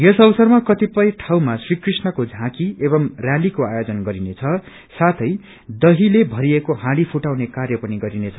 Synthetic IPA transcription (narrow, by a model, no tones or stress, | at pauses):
jʌsʌbʌsʌrmakʌt̪ipʌjʈʰawmasrikrisnʌkod͡zʱãkiebʌmrjalikoajod͡zʌnɡʌɾinet͡sʰʌ | sat̪ʰʌj | d̪ʌɦilebʱʌɾiekoɦãɽipʰuʈawnekarjʌpʌniɡʌɾinet͡sʰʌ